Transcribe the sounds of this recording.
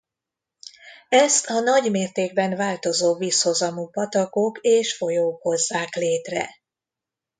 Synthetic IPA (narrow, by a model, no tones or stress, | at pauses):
ɛst̪ɒnɒɟmeːrt̪eːɡ̚bɛnvaːlt̪o̞zoːviːsho̞zɒmupɒt̪ɒkokeːʃfo̞joːkho̞zːaːkleːt̪rɛ̰